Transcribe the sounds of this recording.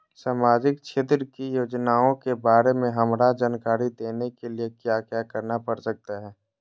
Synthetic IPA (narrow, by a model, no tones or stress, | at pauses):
saːmaːd͡ʒɪk̚ʃʰeːt̪ɾəkijoːd͡ʒnaːõkebaːɾemẽɦɐmɾad͡ʒaːnkaːɾid̪eːnekeliekjaːkjaːkəɾnapəɾsək̚t̪aɦɛː